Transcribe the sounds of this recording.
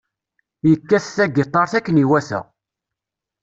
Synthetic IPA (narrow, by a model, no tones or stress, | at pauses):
jəkːæsθæɡet̪ˤːɑɾˤθækːəniwæsæ̰